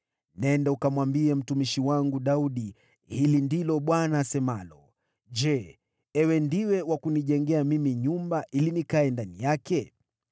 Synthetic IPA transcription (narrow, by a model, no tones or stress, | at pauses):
nɛndaukamwambiɛm̩tumiʃiwaŋɡuɗauɗi | hilindilɔɓwanaːsɛmalɔ | ʄɛ | ɛwɛndiwɛwakuniʄɛŋɡɛamimiɲumbaʔilinikaɛndanijakɛ